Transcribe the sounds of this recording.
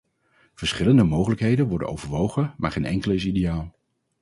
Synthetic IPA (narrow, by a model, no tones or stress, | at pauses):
v̥əɹsχɪləndəmowχələkɦejdənʋɔɹdə̰nʔo̰wvəɹʋowχənmaːɹχejnʔɛŋkələɪs̬idejaːlˠ